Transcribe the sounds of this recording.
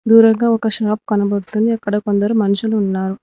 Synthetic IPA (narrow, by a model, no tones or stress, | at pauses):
d̪uːɾɐŋɡaːɔkɐʃaːp̚kɐnɐbɐɽt̪und̪iɐkːɐɽɐkond̪ɐɾumɐnuʃuluːnːaːɾu